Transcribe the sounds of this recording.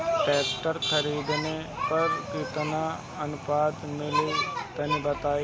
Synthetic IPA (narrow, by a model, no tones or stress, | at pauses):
pɛːkʈəɾkʰəɾiːd̪nepɐɾkɪt̪na | ɐnʊpaːd̪mɪlut̪ɐnibɐt̪aːi